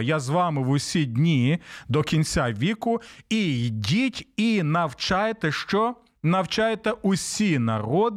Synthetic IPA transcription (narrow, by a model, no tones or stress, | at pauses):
jazʋɑmɪʋʊsʲidʲnʲid̪ɔkʲinʲt͡sʲaʋʲikʊijdʲitʲinɐwt͡ʃajet̪ɛʃt͡ʃɔ | nɐwt͡ʃajet̪ɛʊsʲinɐ̰ɾɔd̪